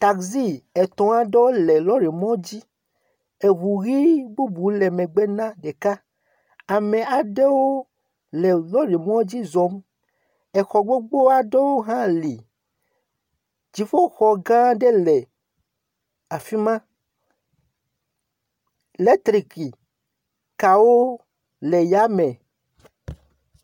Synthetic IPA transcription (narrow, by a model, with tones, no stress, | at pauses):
t̪a˨kzi˦ɛ˨t̪ɔ̃˨a˨ɖe˦wo˦le˨lɔ˦ɖe˨mɔ̃˦d͡ʑi˦ | e˨βu˨ɣi˦ɡ͡bu˦bu˨le˨mẽ˨ɡ͡be˦nã˦ɖe˨ka˦ | a˨mẽ˨a˨ɖe˦wo˦ | le˨lɔ˦ɖe˨mɔ̃˦d͡ʑi˦zɔ˦m | ɛ˨xɔ˨ɡ͡bo˦ɡ͡bo˦a˦ɖe˦wo˦ɦã˦li˨ | d͡ʒi˨fo˦xɔ˨ɡã˦ɖe˦lɛ˨ | a˨fi˦mã˦˨ | le˦t̪ɾi˨ki˨ | ka˨wo˦ | le˨ja˦mɛ˨